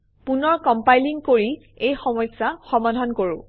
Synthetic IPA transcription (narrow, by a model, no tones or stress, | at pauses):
punɔɹkɔmpajliŋkoɹi | ejxɔmɔjsːaxɔmadʱɔnkoɹʊ̃